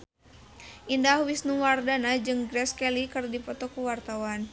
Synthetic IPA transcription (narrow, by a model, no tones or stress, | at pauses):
ʔindahwisnuwardanad͡ʒɨŋɡɾɛskɛlikɨrdipɔt̪ɔkuwart̪awan